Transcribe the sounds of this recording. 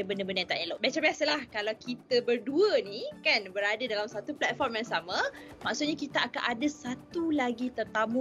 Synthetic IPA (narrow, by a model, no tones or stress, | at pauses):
əbəndəbəndəjãt̪aʔeloʔbat͡ʃabasəlahkalawkit̪abərduənikanbəɾadadalamsat̪uplɛt̪̚fɔrmjaŋsamãmaʔsut̪̚ɲakit̪aʔakaʔadasat̪ulaɡit̪ərt̪amũ